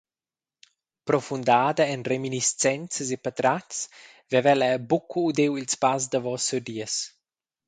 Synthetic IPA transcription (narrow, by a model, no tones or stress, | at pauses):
pɾofund̪aːd̪əɛnreminist͡sɛnt͡səsepat̪ɾatt͡s | vɛvɛlɛbukʰuːd̪ewilspas̬d̪avɔsud̪iəs